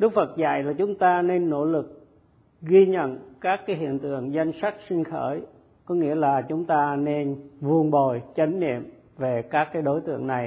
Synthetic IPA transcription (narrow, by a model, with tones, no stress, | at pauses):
ɗɨ˦˥k̚fə˨˩t̚za̰˧˨jlaː˨˩t͡ɕʊ˨˦ŋ͡mt̪aː˧ne˧nːo̰˧˥lɨ˨˩k̚ | ɣi˧ɲə̰˧˨nkaː˦˥kːaː˨˦jɦḭ˧˨ənt̪ɨ̰˧˨əŋza˧jŋ̟sa˦˥k̚sï˧ŋ̟xəː˧˩j | kɔ˨˦ŋḭ˧˥əlaː˨˩t͡ɕʊ˨˦ŋ͡mt̪aː˧ne˧nvu˧ənɓo˨˩jt͡ɕə˨˦ŋ̟nḭ˧˨əm | ve˨˩kaː˦˥kːaː˨˦jɗo˨˦jt̪ɨ̰˧˨əŋna˨˩j